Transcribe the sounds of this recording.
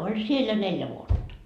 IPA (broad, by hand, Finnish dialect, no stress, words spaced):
olʲ siel jɑ neljæ ʋuotːɑ